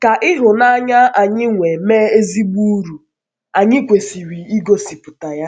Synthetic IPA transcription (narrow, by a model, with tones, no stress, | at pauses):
ka˨ʔɪ˦ɦʊ˨na˦ɲa˦ʔa˨ɲɪ˦ŋʷe˨meː˦e˦zi˦ɡ͡bu˦ɾu˨ | a˨ɲɪ˦kʷe˨si˨ɾi˨i˦ɡo˦si˨pʊ˨ta˨ja˦